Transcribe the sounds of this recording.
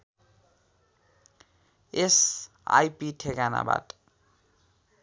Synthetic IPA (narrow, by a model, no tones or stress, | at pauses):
ɛs | a̰jpʼitʰekana̰ba̰tʼḁ